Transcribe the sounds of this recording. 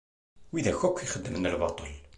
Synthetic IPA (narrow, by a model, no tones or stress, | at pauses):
wiðæçækʷːiχəd̪ːəmənəlbɑt̪ˤəl